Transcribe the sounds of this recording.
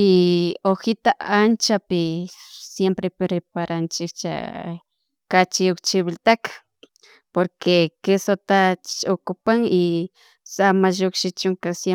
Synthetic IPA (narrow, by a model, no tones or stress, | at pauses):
ɪoxɪt̪aʔant͡ʃapɪsjempɾepɾepaɾant͡ʃɪkt͡ʃa̰ | kat͡ʃɪokt͡ʃɪβɪlt̪akḁ | poɾkekɪsot̪at͡ʃokʊpaŋɪ | samaʒokʃɪt͡ʃʊŋkasje